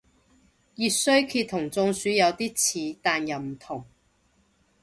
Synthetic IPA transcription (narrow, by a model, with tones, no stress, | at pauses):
jyː˧t̚sɵ˥ɥkʰiː˧t̪ʰːʊ˨˩ŋt͡sʊ˧ŋsyː˨˥jɐ˨˧wt̪iː˥t͡sʰiː˨˥t̪aː˨njɐ˨˩wm̩˨˩t̪ʰʊ˨˩ŋ